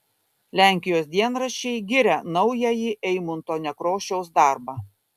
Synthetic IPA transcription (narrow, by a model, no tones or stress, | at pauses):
lʲæˑŋʲkʲɪjoːsd̪ʲiɛnɾɐʃʲɛɪɡʲɪɾʲɛnɐʊjɛjiʔɛɪmʊnt̪oːnʲɛkɾoːʃʲɛʊs̬d̪ɑˑɾbɑː